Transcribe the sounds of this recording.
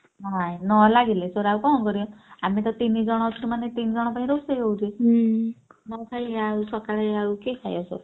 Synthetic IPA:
najnɔlaɡilesoɾawkɔɔ̃kɔɾijɔ̃amit̪ɔt̪inid͡zɔɽ̃ɔtʰɾumanet̪ind͡zɔɽ̃ɔpaɦĩɾosejowd͡ʒi | nɔkʰajausɔkaɭajawkekʰajɔso̰ɾ

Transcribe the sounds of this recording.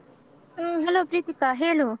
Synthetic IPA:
ɦɐloːpɾiːt̪ikaːɦeːlu

